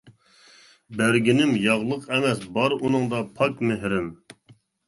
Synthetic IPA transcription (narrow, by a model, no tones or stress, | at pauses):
bæɾɡʲinɪmjɑʁlˠəqʰɛmɛsbɑɾunɨŋd̪ɑpʰɑkmeɦɾɪm